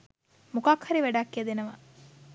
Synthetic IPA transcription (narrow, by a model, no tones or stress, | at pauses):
mukaːkʰhɐɾiʋæɖaːkːiɐd̪enɐʋa